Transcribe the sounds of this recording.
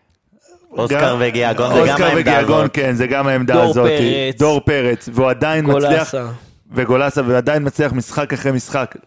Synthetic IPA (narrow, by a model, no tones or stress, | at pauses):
osɡaaveɡiaɡonokaʁvediaɡonkenzeɡamaemd̪aːzo̞tid̥̪o̞ʁpe̞ʁet͡sveuad̪ainmat͡sliaχ | veɡo̞lasaveuad̪ajinmat͡sliaχmisχakaχʁemisχak